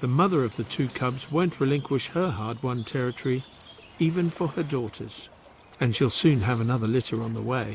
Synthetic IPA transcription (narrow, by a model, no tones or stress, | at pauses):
ðɨmʌðə˞ʌvðɨtʰʉkʰʌbzwõʊ̃nʔɹɨlɪ̃ŋkʰwɨʃhə˞ɦɑɹd̚wʌ̃ntʰɛɹɨtʰə˞i | ivɨ̃nfə˞ə˞dɔɾə˞z̥ | ɨ̃nʃilˠsʉ̃nɨvɨnʌðə˞lɪɾə˞ə̃nðə̰weɪ